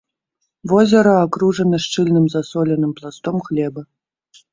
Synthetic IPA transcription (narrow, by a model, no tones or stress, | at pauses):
vɔzʲɐɾɐakɾuʐɐnɐʂt͡ʂɨlʲnɨmzasɔlʲɛnɨmplˠast̪ɔmxlʲɛbɐ